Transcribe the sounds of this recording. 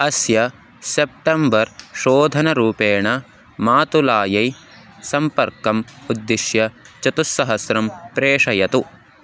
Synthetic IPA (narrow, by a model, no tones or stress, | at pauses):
ɐsjɐ | sep̚ʈɐmbɐɾʃoːd̪ʱɐnɐɾuːpeːɳɐ | maːt̪ulaːjɐj | sɐmpɐɾkɐmud̪ːiʃjɐt͡ʃɐt̪usːɐɦɐsɾɐmpɾeːʂɐjɐt̪u